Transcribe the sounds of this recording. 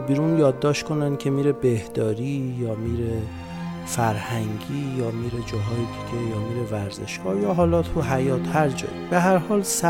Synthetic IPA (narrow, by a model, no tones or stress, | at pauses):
biːɾunjɒːd̪ːɒːʃt̪kʰonænd̪̥̚kʲʰe̞miːɾebehd̪̥ɒːɾiːjɒːmiːɾe | fæɾhæŋɡiːjɒːmiːɾed͡ʒɒːɦɒːjed̪iɟ̥ʲe̞jɒːmiːɾevæɾze̞̰ʃɡɒːjɒːɦɒːlɒːt̪ʰuɦæjɒːt̪ʰhæɾd͡ʒɒ̰ːib̥eɦæɾhɒːls